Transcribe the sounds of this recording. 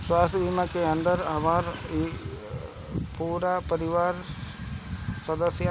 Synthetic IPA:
swaːst̪ʰbʱimakeə̃nd̪əɾɦɐmaːɾi | puːɾapəɾɪʋaːɾ | səd̪əsja

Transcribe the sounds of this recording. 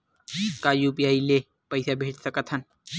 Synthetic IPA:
kaːjuːpijaːile | pəjsabʱeːt͡ʃsəkət̪ʰɦən

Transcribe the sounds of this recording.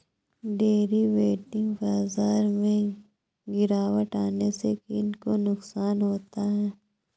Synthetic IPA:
ɖeːɾiʋeːʈɪ̃ŋɡbaːzaːɾmẽ | ɡɪɾaːwəʈaːnesekiɪnkonʊksaːnɦoːt̪aɦɛː

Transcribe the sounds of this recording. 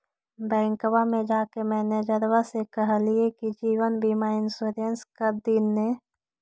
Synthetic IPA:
bɛ̃ːŋkwamẽd͡ʒaːkemɛːned͡ʒəɾwasekəɦliekid͡ʒiːwənbʱimaɪnsoɾə̃nskəɾd̪iːnːe

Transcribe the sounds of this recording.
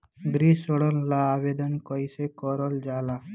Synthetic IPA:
ɡɾiːsoɽɔnlaːʋeːd̪ənkɔjsekɔɾɔld͡ʒaːla

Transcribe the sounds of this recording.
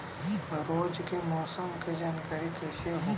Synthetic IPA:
ɾoːd͡ʒkemɔːsəmked͡ʒaːnkaːɾikɐːseɦo

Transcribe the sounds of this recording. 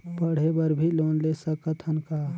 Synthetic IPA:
pəɽ̤ebəɾbʱilonlesəkət̪ʰənka

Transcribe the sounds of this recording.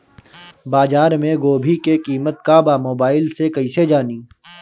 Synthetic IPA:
baːzaːɾmẽɡoːbʱikekiːmət̪̚kaːbaːmoːbaːɪlsekɐised͡ʒaːniː

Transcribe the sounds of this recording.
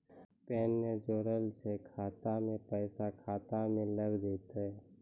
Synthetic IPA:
pɛːnːed͡ʒoːɾəlsekʰaːt̪amẽpɛːsakʰaːt̪amẽləɡd̪eːt̪aɦɛː

